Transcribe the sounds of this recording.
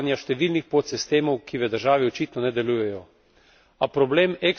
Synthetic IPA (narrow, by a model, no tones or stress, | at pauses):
njaʃt̪ɛʋiːlnixpot̪sist̪eːmɔwkʰiʋəd̪əɾʒaːʋiot͡ʃiːt̪nɔnɛd̪ɛlujɛjɔ | apɾɔbleːmɛk